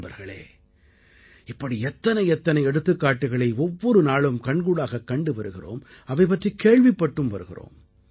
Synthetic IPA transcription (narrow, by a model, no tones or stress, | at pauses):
bɐ̰ɾɣɐɭḛː | ɪpːɐɽiɛt̪ːɐnɐɪɛt̪ːɐnɐɪɛɽɯt̪ːɯkːaːʈːɯɣɐɭɐɪɔʋːɔɾɯnaːɭɯmkɐɳɡuːɽaːɣɐkːɐɳɖɯʋɐɾɯɣɪro̰ːmɐʋɐɪpːɐʈrikeːɻʋɪpːɐʈːɯmʋɐɾɯɣɪ̰ro̰ːm